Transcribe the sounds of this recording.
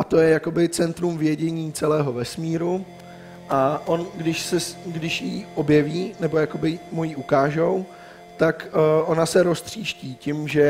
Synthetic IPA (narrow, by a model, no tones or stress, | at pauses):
ʔat̪o̞jɛjako̞bɪt͡sɛnt̪ɾumvjɛɟɛɲiːt͡sɛlɛːɦo̞vɛsmiːɾu | ʔaʔo̞nɡdɪʃsɛsɡdɪʃjiʔo̞bjɛviːnɛbo̞jako̞bɪmujiʔukaːʒow | t̪akʔo̞nasɛɾo̞st̪r̝̥iːʃciːcɪmʒɛ